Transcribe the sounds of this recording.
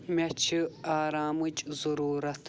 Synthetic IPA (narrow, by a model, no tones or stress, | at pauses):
mɐt͡ʃʰiaːɾaːmɨt͡ʃzɐɾuːɾɐt̪ʰ